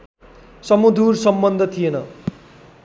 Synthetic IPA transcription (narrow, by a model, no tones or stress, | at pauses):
sʌmud̪ursʌmbʌnd̪ʱʌt̪ʰijenʌ